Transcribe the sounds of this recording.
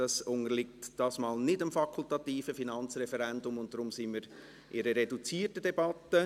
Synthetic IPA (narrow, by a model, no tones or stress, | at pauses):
d̥ɑsʊŋəlɪktd̥ɑːsmɑːlnɪdəmfɑkʰʊltɑtiːfəfinɑnt͡srɛfɛɾɛndʊmʊnt̚dɾʊmsɪnmiːɾ | ʔɪɾəɾedut͡siːrtədɛbɑtːə